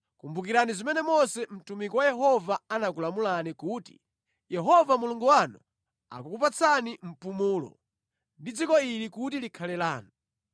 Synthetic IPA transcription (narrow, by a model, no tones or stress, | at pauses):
kumbukiɾanizimɛnɛmɔsɛm̩tumikɔwajɛɦɔvaanakulamulanikuti̥̰ | jɛɦɔvamuluŋɡuwanu | a̰kukupat͡sʰanim̩pumuːlɔ̰ | ndid͡zikɔilikutilikʰalɛlaːnu